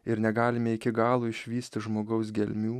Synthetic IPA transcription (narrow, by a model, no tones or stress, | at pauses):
ɪɾnʲɛɡɑːlʲɪmʲɛɪkʲɪɡɑːlˠuːɪʃʲʋʲiːsʲt̪ʲɪʒmoːɡɐʊs̬ɡʲɛlʲmʲuː